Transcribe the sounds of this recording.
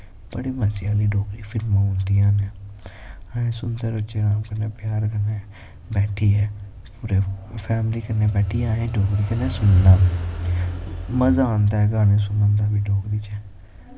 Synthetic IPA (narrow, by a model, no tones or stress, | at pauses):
b̥əɽiːməsɪjaːliːɖoːkɾiːfʰɪlmãːʊ̃nd̪ijãːneː | ãːẽːsʊnd̪əɾʊt͡ʃeːɾãːkəneːpɪjaːɾkənːeː | bɛːʈʰiːɛː | puːɾeːpʰɛːmliːkəneːbɛːʈʰiːaːẽːɖoːkɾiːkənːeːsʊnd̪aː | məzaːnd̪aːɛɡaːnẽːs̬ʊnãːnd̪aːbiːɖoːkɾiːt͡ʃɛː